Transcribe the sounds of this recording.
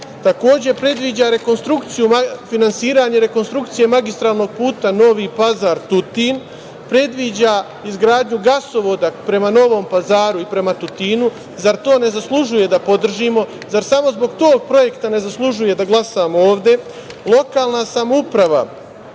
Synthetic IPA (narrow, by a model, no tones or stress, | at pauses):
t̪ako̞ːd͡ʑe̞pɾe̞d̪ʋid͡ʑaɾe̞ko̞nst̪ɾukt̪sijumafinansiːɾaɲeɾe̞ko̞nst̪ɾukt̪sije̞maɡist̪ɾaːlˠno̞ɡ̚puːt̪ano̞ʋipazaːɾt̪ut̪in | pɾe̞d̪ʋid͡ʑa | izɡɾaːd̪ɲuɡaso̞ʋo̞d̪apɾe̞mano̞ʋo̞ːmpazaːɾuipɾe̞mat̪ut̪iːnu | zaɾt̪o̞ːne̞zaslˠuʒuje̞d̪apo̞d̪r̩ʒimo̞ | zaɾsamo̞zbo̞ɡt̪o̞ːɡ̚pɾo̞je̞kt̪ane̞zaslˠuʒuje̞d̪aɡlˠasaːmooːʋd̪e̞ | lˠo̞kaːlˠnasamupɾaʋa̰